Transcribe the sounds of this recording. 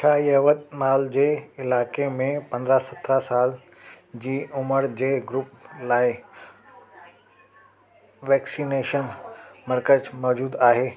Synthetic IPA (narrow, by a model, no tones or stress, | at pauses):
t͡ʃʰaːjəʋəd̪̚maːld͡ʑeːɪlaːkemẽpɐ̃nd̪ɾasɐt̪ʰɾasaːl | d͡ʑiːʊməɾd͡ʑeːɡɾup̚laːi | ʋɛːksineːʃənməɾkəzmɔːd͡ʑuːd̪aːɦeː